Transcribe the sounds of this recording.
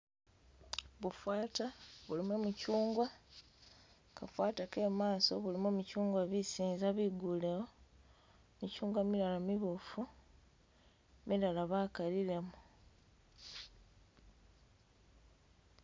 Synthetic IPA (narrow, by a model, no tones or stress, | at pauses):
βufwaːtaβulimwemucuːŋɡwa | kafwaːtake̞maːso̞βulimomucuːŋɡwaβisiːnzaβiɡulewo | micuːŋɡwamiɾalamiβufu | miɾalaβakaliɾe̞mu